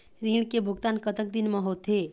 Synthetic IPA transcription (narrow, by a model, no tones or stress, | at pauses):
ɾiːɽ̃kebʱʊɡt̪aːnkət̪ək̚d̪ɪnmẽɦoːt̪ʰe